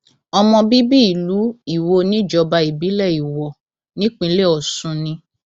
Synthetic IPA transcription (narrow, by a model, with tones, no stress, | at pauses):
ɔ˧mɔ̃˧bi˦bi˦i˨lu˨˦i˦˨wo˧nĩ˦˨d͡ʒɔ˧ba˧i˨bi˨˦lɛ˦˨i˨wɔ˨ | nĩ˦k͡pĩ˧˦le˦˨ɔ˨sũ˧nĩ˧